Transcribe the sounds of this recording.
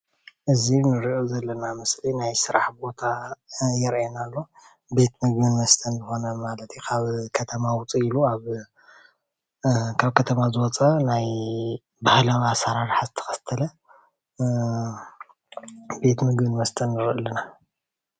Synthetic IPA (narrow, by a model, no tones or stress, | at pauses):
ʔɨzinɨɾiʔozɐlːɐnamɨslinajsɨɾaħbo̞t̪ʰajɛɾʔenalːo̞ | be̞t̪mɨɡ̚bɨnmɐst̪ʰɐnzɨxo̞nɐmalɐt̪ʰjukʰaβkʰɐt̪ʰɐmawʊt͡sʼiiluaβ | kʰaβkʰɐt̪ʰɐmazɨwɔt͡sʼɐnaj | bahlawasaɾaɾħazɨt̪ʰɐ̥xɐ̥st̪ʰɐlɐ | be̞t̪mɨɡbɨnmɐst̪ʰɐnːɨɾʔɨlːɐna